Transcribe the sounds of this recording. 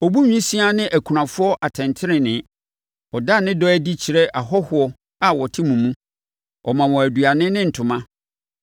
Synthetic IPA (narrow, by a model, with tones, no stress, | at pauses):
ɔ˨bu˦ɲᶣĩ˦si˦a˦nɪ̃˦ʔæ˨kʰu˨ɾã˨fʊ˦ɔ˦ʔa˨tʰɛ̃˨ntʰɪ˦ɾɪ̃˨nɪ̃˨˦ | ɔ˨da˦nɪ̃˦dɔ˦æ˦di˦t͡ɕʰi˨ɾɛ˦ʔa˨ɦɔ˦hʊ˨˦ɔ˦ | a˨wɔ˨tʰɪ˦mũ˨mũ˦ | ʔɔ˨mã˨wɔ̃˨æ˨du˨a˨nɪ̃˦nɪ̃˦n̩˨tʰʊ̃˨mã˦